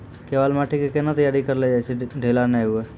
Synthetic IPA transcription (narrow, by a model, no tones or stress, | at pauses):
kebalmaʈʰikekenat̪əjaɾikəɾlɛd͡ʒajt͡ʃʰɛɖʱelanɛɦue